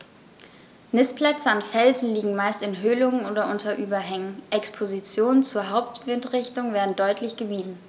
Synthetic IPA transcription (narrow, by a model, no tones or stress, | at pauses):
nɪsplɛt͡səanfɛlzn̩liːɡŋ̩maɪstɪnɦøːlʊŋənoːdɐʔʊntʰɐʔyːbɐɦɛŋənʔɛkspʰozit͡sjoːnənt͡suːɐɦaʊp̚tv̥ɪntʁɪçtʊŋveːɐdn̩dɔʏtʰlɪçɡ̥əmiːzn̩